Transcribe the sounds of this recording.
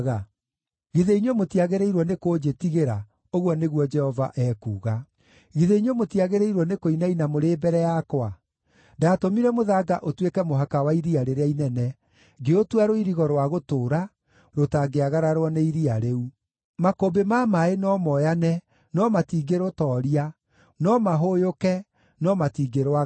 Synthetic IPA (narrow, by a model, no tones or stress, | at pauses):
ɣa | ɣiðeiɲɔmotiaɣeɾeiɾwɔnekod͡ʒetiɣeɾa | oɣwɔneɣwɔd͡ʒɛhɔvaʔɛːkuːɣa | ɣiðeɲomotiaɣeɾeiɾwɔnekoinainamoɾeːbɛɾɛjakwa | ndaːtomiɾɛmoðaːɡaʔotwekɛmoɦakawaiɾiaɾeɾeainɛnɛ | ɡeotwaɾoiɾiɣɔɾwaɣotoːɾa | ɾotaɡeaɣaɾaɾwɔneiɾiaɾeu | makobemamaenɔmɔjanɛ | nɔmatiːɡeɾotɔɾia | nɔmaɦojokɛ | nɔmatiːɡeɾwa